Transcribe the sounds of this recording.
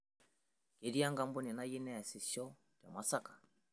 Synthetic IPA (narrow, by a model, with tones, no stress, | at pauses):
ke˨ɾi˦a˦ŋɡa˦mbu˦ni˨na˦ji˦nɛ˦a˨si˨sɔ˦ | tja̰˨ma˦sa˦kḁ˨